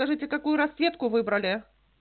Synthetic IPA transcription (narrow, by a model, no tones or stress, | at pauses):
ɐʐɨtʲɪkakujʊɾɐsʲet̪kʊvɨbɾəlʲɪ